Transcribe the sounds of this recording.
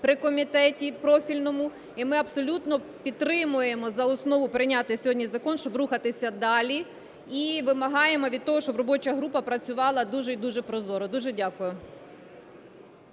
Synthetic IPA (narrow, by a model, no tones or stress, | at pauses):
pɾɪkɔmʲit̪ɛtʲipɾɔfʲilʲnɔmʊ | imɪɐbsɔlʲut̪nɔ | pʲidt̪t̪ːɾɪmʊjemɔzɐɔsnɔʋʊpɾɪnʲat̪ɪsʲɦɔdʲnʲizɐkɔnʃt͡ʃɔbruxɐt̪ɪsʲɐd̪ɑlʲi | iʋɪmɐɦɑjemɔʋʲid̪̚t̪ɔɦɔʃt͡ʃɔbrɔbɔt͡ʃɐɦɾupɐpɾɐt͡sʲʊʋɑlˠɐd̪uʒɛid̪uʒɛpɾɔzɔɾɔd̪uʒɛdʲakʊjʊ